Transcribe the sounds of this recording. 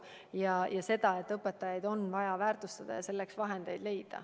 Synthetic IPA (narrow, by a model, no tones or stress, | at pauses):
jɑjɑse̞d̪̥ɑe̞t̪ːˑɤpːˑet̪ːˑɑjɑjd̪o̞nvɑjɑvæːrt̪ust̪ɑd̪̥ɑ̰jɑse̞lːeksvɑɦe̞nd̪̥e̞jd̪le̞jd̪̥ɑ̰